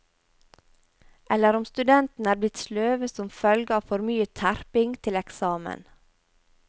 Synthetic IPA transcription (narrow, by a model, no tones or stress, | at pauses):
ʔɛlːəɾɔmst̪ʉd̪ɛnt̪n̩æːɾblɪt̪sløːʋəsɔmfœlɡəɑːʋfɔɾmyːət̪ʰæɾpɪŋt̪ʰɪlɛksɑːmə̰n